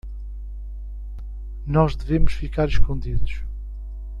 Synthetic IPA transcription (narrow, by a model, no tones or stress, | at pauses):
nɔʒðɨvemʊʃfikaɾiʃkõnd̪iðuʃ